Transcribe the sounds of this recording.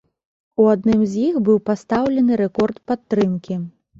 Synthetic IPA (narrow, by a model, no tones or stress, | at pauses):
uad̪̚nɨmzʲjixbɨwpast̪awlʲɛnɨɾɛkɔrt̪pat̪ːɾɨmkʲi